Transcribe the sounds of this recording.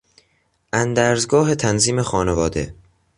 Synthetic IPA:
ʔænd̪æːɾzɡɒːɦe̞t̪ʰænziːme̞xɒːne̞vɒːd̪e̞̰

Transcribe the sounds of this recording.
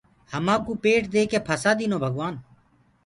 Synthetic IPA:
həmãːkuːpeːʈʰd̪eːkeːpʰəsaːd̪iːnoːbʱəɡʋaːn

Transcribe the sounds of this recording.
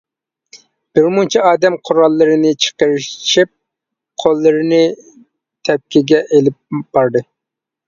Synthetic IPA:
b̥ɪɾmunt͡ʃʰɛɑːd̪ɛmqʰʊɾɑlˠːɨɾɨnɨt͡ʃʰə̥qəɾɨʃip̚ | qʰolˠːɨɾɨnɨ | t̪ʰɛp̚kʲiɡʲɛʔelɪp̚b̥ɑɾd̪ɨ

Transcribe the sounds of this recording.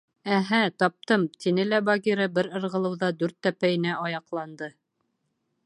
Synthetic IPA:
æɦæt̪ɑp̚t̪ɤmt̪inɘlæbɑɡiɾɤbɘɾɤ̆ɾʁɤ̆lˠɤ̆wðɑd̪ʉɾt̪ːæpæjɘ̆næʔɑjɑqlˠɑnd̪ɤ

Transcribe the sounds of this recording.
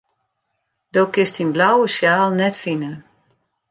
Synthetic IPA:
d̥okɪstinblawəsjaːlˠnɛtfinə

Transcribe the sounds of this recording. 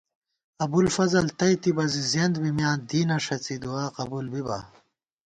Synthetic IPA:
ɐbulfɐzɐlt̪ɐjt̪ibɐzizend̪bimjãːnd̪iːnɐʂɐt͡sid̪uaːqɐbuːlbibɐ̰

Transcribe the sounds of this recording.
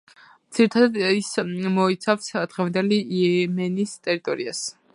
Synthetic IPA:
mt̪siɾit̪ʰad̪ad̪ismɔit̪sʰafsd̪̥ʁɛvand̪ɛliɛmɛnist̪ʼɛɾit̪ʼɔɾias

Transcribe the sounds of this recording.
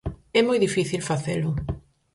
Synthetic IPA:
ɛmɔjðifiθilfaθelʊ

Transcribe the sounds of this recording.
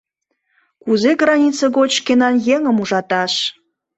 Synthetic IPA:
kuzeɣrɑnʲit͡səɣot͡ɕʃkenɑnjeŋəmuʒɑt̪ɑʃ

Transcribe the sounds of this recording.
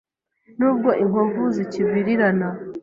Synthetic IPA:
nuːb̚ɡo̞ʔiŋovuziciβwiɾiɾana

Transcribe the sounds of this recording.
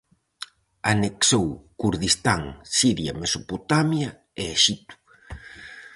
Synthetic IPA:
aneksowkuɾðist̪aŋsiɾja̰mesopot̪amjɐ | eeʃit̪u̥

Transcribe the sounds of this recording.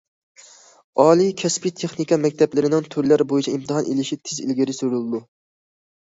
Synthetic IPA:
ɑːlˠikʲʰɛspit̪ʰeχnikʰɑmɛk̚ʲt̪ʰɛplɪɾɪnɪŋt̪ʰyɾlæɾbojit͡ʃʰɛimt̪ʰɨɦɑnʔelɪʃit̪ʰɪzḭlɡʲiɾɪsyɾulˠɨd̪u

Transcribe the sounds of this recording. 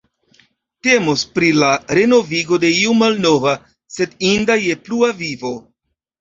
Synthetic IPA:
te̞mospɾilaɾe̞no̞viɡo̞de̞iumalno̞va | se̞dindaje̞pluavivo̞

